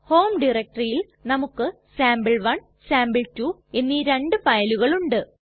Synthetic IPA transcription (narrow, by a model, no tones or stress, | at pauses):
ho̞ːmɖirek̚ʈrijil | nɐmukːɨ | saːmbɨɭʋɐɳ | saːmbɨɭtuːe̞nːiɾeɳɖɨfɐjluɣɐɭuɳɖɨ